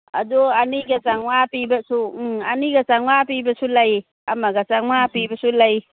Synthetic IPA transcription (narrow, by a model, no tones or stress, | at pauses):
ɐ̰duɐniɡɐt͡ʃaŋwapibɐsuɐniɡɐt͡ʃaŋwapibɐsulɐj | ɐmɐɡat͡ʃaŋmapibɐsulɐj